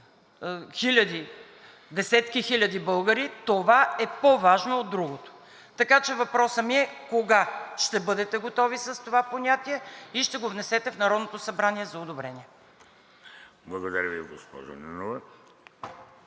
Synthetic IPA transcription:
xilʲɐd̪i | d̪ɛsɛt̪kixilʲɐd̪ibɤlˠɡəɾit̪ovaɛpovaʒnoːd̪ːɾuɡot̪o̥ | t̪ɐkat͡ʃɛvɐpɾɔsəmiɛkoɡaʃt̪ɛbɤd̪ɛt̪ɛɡot̪ɔvisəst̪ovaponʲat̪iɛiʃt̪ɛɡovnɛsɛt̪ɛfnɐɾɔd̪not̪osɐbɾaniɛzɐod̪obɾɛniɛ | blˠɐɡod̪ɐɾʲəviɡospɔ̰ʒo̰nɛnovɛ

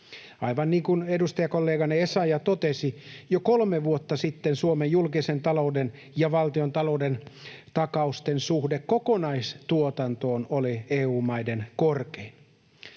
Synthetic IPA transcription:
ɑiʋɑnniːŋkunedust̪ɑjɑkolːeːɡɑneesɑjɑt̪ot̪esijokolmeʋuot̪ːɑsit̪ːensuomejjulkisent̪ɑlouden | jɑʋɑlt̪iont̪ɑloudent̪ɑkɑust̪ensuhdekkokonɑist̪uot̪ɑnt̪oːnolieːuːmɑidenkorkein

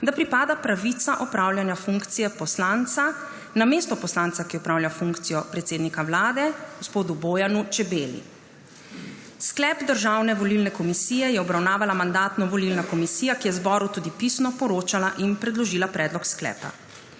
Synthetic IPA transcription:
d̪apɾipaːd̪apɾaʋit̪saʔɔpɾawljanjafuŋkt̪sijɛpɔslant̪sa | nameːst̪ɔpɔslant̪sakijɛɔpɾaːwlʲjafuŋkt̪sijɔpɾɛt̪seːd̪nikawlaːd̪ɛɡospoːd̪uboːjanut͡ʃɛbeːlḭ | sklɛːbd̪əɾʒaːwnɛʋɔlilnɛkɔmisiːjɛjɛɔbɾawnaːʋalamand̪aːt̪nɔʋɔlilnakɔmisiːjakijɛzbɔːɾut̪ud̪ipisnɔpɔɾoːt͡ʃalaʔinpɾɛd̪lɔʒiːlapɾɛːd̪lɔksklɛ̰ːpa̰

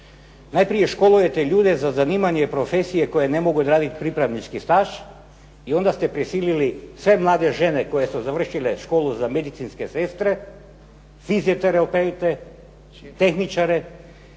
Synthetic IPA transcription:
najpɾijeʃkolˠujet̪ɛʎuːd̪ɛzazanimaɲɛpɾofesijɛkojɛnemoɡud̪ɾaːd̪it̪pɾipɾavnit͡ʃkist̪aʃ | iond̪ast̪ɛpɾisililisʋemlˠaːd̪ɛʒenɛkojɛsuzaʋr̩ʃilɛʃkolˠuzamed̪it̪sinskesest̪ɾɛ | fiziot̪ɛɾɛopet̪ɛ | t̪exnit͡ʃaɾɛ

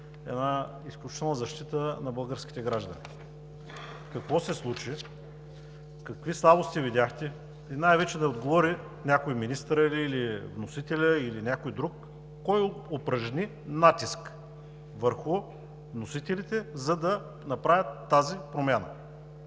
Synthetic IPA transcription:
ɛ̰na | isklʲut͡ʃi̥t̪ɛlˠnəzɐʃt̪it̪ənɐbəlˠɡəɾsk̟i̥t̪ɛɡɾaʒd̪ə̰nḭ | kɐkvɔsɛslˠut͡ʃi | kɐkvislˠabost̪ivid̪ʲaxt̪ɛ | inajvɛt͡ʃɛd̪ɛod̪ɡovɔɾi | nʲakojminist̪əɾiliilivnosit̪ɛlʲəilinʲakojd̪ɾukː | ɔjopɾɐʒnʲi | nat̪isk | vəɾxʊ | vnosit̪ɛlit̪ɛzɐd̪ɐ | nɐpɾavjət̪ːazipɾomʲjanə̰

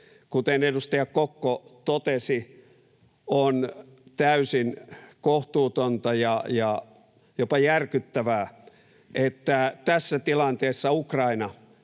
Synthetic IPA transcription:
kut̪enedust̪ɑjɑkkokːot̪ot̪esi | on | t̪æysinkoht̪uːt̪ont̪ɑjɑjɑ | jopɑjærkyt̪ːæʋæː | ʔet̪ːæt̪æsːæt̪ilɑnt̪eːsːɑukrɑinɑ

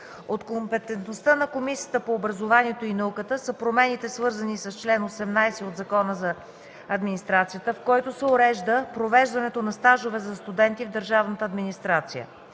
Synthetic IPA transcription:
ot̪kompɛt̪ɛnt̪nost̪ənɐkomisijət̪əpoːbɾɐzovaniɛt̪oinɐukət̪əsəpɾomɛnit̪ɛsvɤɾzənisɐst͡ʃlɛnosɛmnajsɛod̪zɐkɔnəzɐ | ɐd̪minist̪ɾat̪sijət̪əfkɔjt̪osɛoɾɛʒd̪əpɾovɛʒd̪ɐnɛt̪onɐst̪aʒovɛzɐst̪ud̪ɛnt̪ivd̪əɾʒavnət̪əːd̪minist̪ɾat̪sijə̰

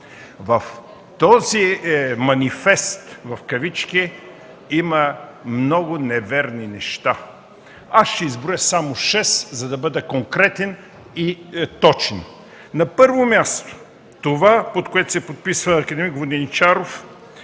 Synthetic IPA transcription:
vɐf | t̪ɔzimɐnifɛst̪vɐfkɐvit͡ʃki | imɐmnɔɡʊnɛvɛɾninɛʃt̪a | asʃt̪ɛizbɾojəsamoʃɛszɐd̪ɐbəd̪ɐkoŋkɾɛt̪ɛn | it̪ɔt͡ʃɛn | nɐpɤɾvomʲjast̪o̥ | t̪ovapot̪koɛt̪ʊ̥sɛpot̪̚pisvɐːkɐd̪ɛmiɡvod̪ɛnit͡ʃaɾof

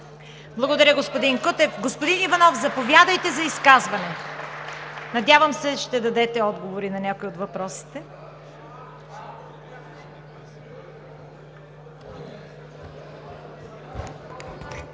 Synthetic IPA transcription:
blˠɐɡod̪ɐɾʲəɡospod̪inkot̪ɛfɡospod̪inivɐnɔfzɐpovjad̪əjt̪ɛzɐiskazvɐnɛ | nɐd̪javɐmsɛʃt̪ɛd̪ɐd̪ɛt̪ɛɔd̪ɡovoɾinɐnʲakoiot̪vɐpɾɔsi̥t̪ɛ

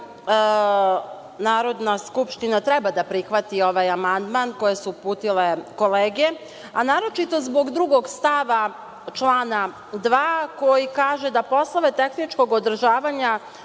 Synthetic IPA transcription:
naːɾo̞d̪naskupʃt̪inat̪ɾɛbad̪apɾixʋat̪io̞ʋajamand̪manko̞je̞suːpuːt̪ile̞ko̞leːɡe | anaːɾo̞t͡ʃit̪o̞zbo̞ɡd̪ɾuɡo̞ɡst̪aʋa | t͡ʃlˠaːna | d̪ʋaːko̞jikaːʒe̞d̪apo̞slˠoʋe̞t̪e̞xnit͡ʃko̞ɡod̪r̩ʒaːʋaɲa

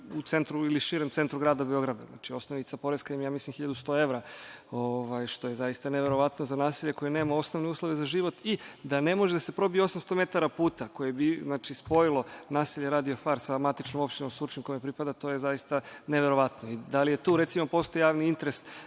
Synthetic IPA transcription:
ut̪se̞nt̪ɾuiliʃiɾemt̪se̞nt̪ɾuɡɾaːd̪abeo̞ɡɾad̪aznat͡ʃio̞snoʋnit̪sapo̞ɾeskaimjaːmislimxiʎad̪ust̪o̞e̞ʋɾaoʋajʃt̪o̞jezajist̪aneʋe̞ɾo̞ʋat̪nozanaːsiʎeko̞jeneːmao̞snoʋneuːslˠo̞ʋe̞zaʒiʋo̞t̪id̪ane̞moʒed̪ase̞pɾo̞bijeo̞samst̪ome̞t̪aɾapuːt̪ako̞jebiznaːt͡ʃispo̞ilˠo̞naːsiʎe̞ɾaːd̪iofaːɾsamat̪it͡ʃnomo̞pʃt̪inomsut͡ʃimkojmepɾipad̪at̪o̞ːje̞zajist̪aneʋe̞ɾo̞ʋat̪noid̪alije̞t̪uːɾet̪simopo̞st̪oijaːʋniint̪eɾes

